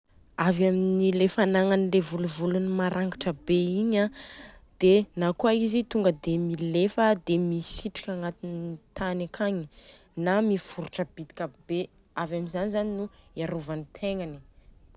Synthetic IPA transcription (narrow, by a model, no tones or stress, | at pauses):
avaminilefanaŋanilevuluvulunimaɾʔaŋɡaʈ͡ʂəbeiɲad̪̥enakuaizit̪uŋɡəd̪emilefəd̪emisiʈ͡ʂi̥kʲaŋɡat̪init̪anakʰaɲi | namifuɾuʈ͡ʂəb̥id̪i̥kʲabe | avaminzanizaninuiaɾuvanit̪ʰeŋani